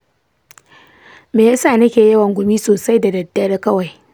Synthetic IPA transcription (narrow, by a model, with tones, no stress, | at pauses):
meː˨ja˦saː˦˨nɐ˦kʲeː˨jɐ˦wɐ˨ŋɡʷʊ˨miː˦soː˨sa˦jda˨dɐ˨dːɐ˦ɽkɐ˦wa˨j